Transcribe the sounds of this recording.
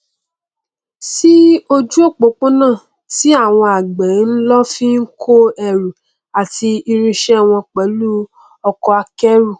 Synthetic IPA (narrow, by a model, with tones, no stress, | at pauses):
si˦o˦d͡ʒu˦o˦˨k͡po˨˦k͡po˦nãː˦˨ | ti˨˦a˦˨w̃ɔ̃˧a˨ɡ͡bɛ˨˦n̩˦lɔ˦fi˦n̩˦kʰo˦ɛ˦˨ɾu˨ | a˨ti˧i˧ɾ̃ĩ˧ʃɛ˦˨w̃ɔ̃˧k͡pɛ˨˦lu˦ | ɔ˧kɔ˧a˧kɛ˦ɾu˦˨